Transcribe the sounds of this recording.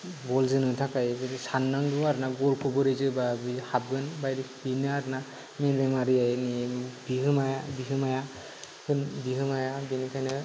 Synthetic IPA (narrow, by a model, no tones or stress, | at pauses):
bɔlzɯnɯtʰakajbɯɾsanːaŋduaɾnaɡɔlkʰubɯɾɯzɯbabihab̚ɡɯnbajɾibinɯaɾna | menɾemaɾiajnibiɦɯmajabiɦɯmaja | hʰɯnbiɦɯmajabinɯkʰajnɯ